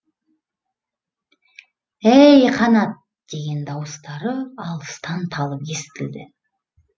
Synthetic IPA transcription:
æjqʰɑnɑt̪̚ | d̪̥e̞ɡʲe̞nd̪ɑwəst̪ɑɾəɑlˠəst̪ɑnt̪ʰɑlˠəpje̞sɪ̥t̪ɪld̪ɪ̰

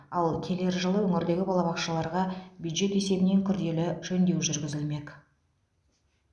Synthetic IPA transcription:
ɑlˠkʲʰe̞le̞ɾʒəlˠəwɵŋɪɾd̪e̞ɡʲɪbɑlˠɑβɑqʃəlˠɑɾʁɑbjud̪ʒe̞t̪e̞se̞bɪne̞ŋkʲʰʏɾd̪e̞lɪʒɵnd̪e̞wʒʏɾɡʲɪzɪlme̞k

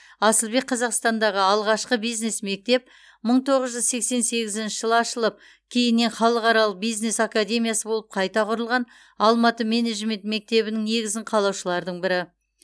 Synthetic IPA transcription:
ɑsəlˠbe̞k̚qʰːɑzɑqst̪ɑnd̪ɑʁəɑlˠʁɑʃqəbijzne̞sme̞k̚t̪e̞p̚ | məɴt̪ʰo̞ʁəzʒʏzse̞kse̞nse̞ɡʲɪzɪnʃɪʒəlˠɑʃəlˠəp̚ | kʲʰe̞jɪnːe̞nχɑlˠəqɑɾɑlˠəq̚bijzne̞sakad̪ʲe̞mijasəbo̞lˠəp̚qʰɑjt̪ɑqʰʊɾəlˠʁɑn | ɑlˠmɑt̪əme̞ne̞ʒme̞nt̪me̞k̚t̪e̞βɪnɪŋne̞ɡʲɪzɪɴqʰɑlˠɑwʃəlˠɑɾd̪əɴbɪɾɪ

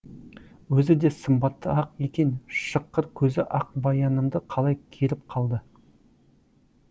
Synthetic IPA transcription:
wɵzɪd̪e̞səmbɑt̪ːəɑqe̞kʲe̞nʃəqːəɾkʲʰɵzɪʔɑq̚bɑjɑnəmd̪əqʰɑlˠɑjkʲʰe̞ɾɪp̚qʰɑlˠd̪ə

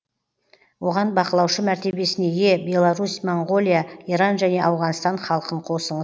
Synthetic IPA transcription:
wo̞ʁɑnbɑqəlˠɑwʃəmæɾt̪e̞be̞sɪne̞je̞bʲe̞lˠaɾusmoɴɡo̞lʲˠijaiɾɑnʒæne̞ʔɑwʁɑnst̪ɑɴχɑlˠəqəɴqʰo̞səɴəz

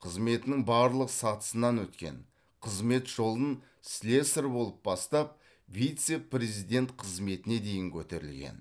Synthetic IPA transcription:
qʰəzme̞t̪ɪnɪŋbɑɾlˠəqsɑt̪ə̥sənɑnwɵt̪kʲe̞̰n | qʰəzme̞t̪ʒ̥o̞lˠən | slʲe̞səɾbo̞lˠəp̚bɑst̪ɑp̚ | vijt̪se̞pre̞zijd̪ʲe̞nt̪qʰəzme̞t̪ɪne̞d̪e̞jɪŋkʲʰɵt̪e̞ɾɪ̰lɡʲḛn

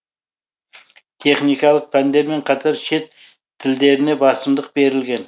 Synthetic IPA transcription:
t̪ʰe̞χnijkɑlˠəq̚pʰænd̪e̞ɾme̞ɴqʰɑt̪ʰɑɾʃe̞t̪ʰː | ɪld̪e̞ɾɪne̞bɑsəmd̪əq̚be̞ɾɪlɡʲe̞n

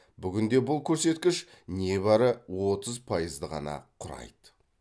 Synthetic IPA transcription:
bʏɡʲɪnd̪e̞bʊlˠkʲʰɵɾse̞t̪kʲɪʃ | ne̞bɑɾəwo̞t̪əzpʰɑjəzd̪əʁɑ̰nɑ̰qʰʊɾɑ̰jd̪̥ə

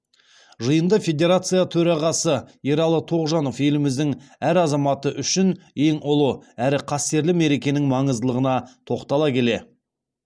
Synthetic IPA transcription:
ʒəjənd̪əfʲe̞d̪ʲe̞ɾat̪sɨjat̪ʰɵɾɑʁɑsəeɾɑlˠət̪ʰo̞ʁʒɑno̞fje̞lɪmɪzd̪ɪŋæɾɑzɑmɑt̪əʔʏʃɪn | e̞ŋʊlˠəæɾɪqʰɑst̪e̞ɾlɪme̞ɾe̞kʲe̞nɪŋmɑɴəzəlˠəʁənɑt̪ʰo̞qt̪ɑlˠɑkʲʰe̞le̞

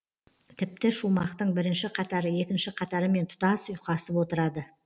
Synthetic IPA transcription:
t̪ʰɪp̚t̪ɪʃumɑqt̪əɴbɪɾɪnʃɪqʰɑt̪ɑɾəje̞kʲɪnʃɪqʰɑt̪ɑɾəme̞nt̪ʰʊ̥t̪ɑsʊjqɑsəpwo̞t̪əɾɑd̪ə

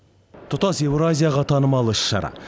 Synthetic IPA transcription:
t̪ʰʊt̪ɑse̞wɾazʲijaʁɑt̪ʰɑnəmɑlˠəɪʃːɑ̰ɾɑ̰

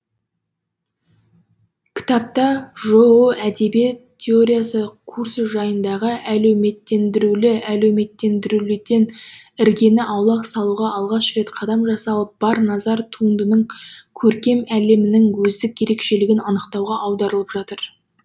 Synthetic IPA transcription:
kʲʰɪ̥t̪ɑp̚t̪ɑʒooʔæd̪e̞biet̪ʲʰːeo̞ɾʲijasəkʰuɾsəʒɑjənd̪ɑʁəʔælewme̞t̪ːe̞nd̪ɪɾulɪæle̞wme̞t̪ːe̞nd̪ɪɾulɪd̪e̞nɪɾɡʲe̞nɪʔɑwlˠɑqsɑlˠuʁɑɑlˠʁɑʃɾe̞t̪qʰɑd̪ɑmʒɑsɑlˠəp̚b̥ɑɾnɑzɑɾt̪ʰuənd̪ənəɴkʲʰɵɾkʲe̞mæle̞mɪnɪŋwɵzd̪ɪkʲje̞ɾe̞kʃe̞lɪɡʲɪnɑnəqt̪ɑwʁɑʔɑwd̪ɑɾəlˠəpʒɑt̪əɾ

